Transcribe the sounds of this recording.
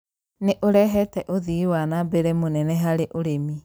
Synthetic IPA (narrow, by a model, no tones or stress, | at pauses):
neʔoɾɛɦɛtɛʔoðiwanabeɾemonɛnɛɦaɾeʔoɾemi